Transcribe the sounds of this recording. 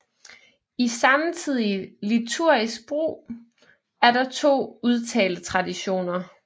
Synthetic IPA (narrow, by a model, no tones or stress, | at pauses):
isɑ̈mt͡sʰið̞̰ˠilit͡sʰuɐ̰isɡ̥̚b̥ʁo̰ː | æɐɾ̥ɑ̈t͡sʰo̝̰ːuð̞ˠt͡sʰɛ̰ːld̥ət͡sʰʁɑ̈d̥iɕo̝̰ːnɐ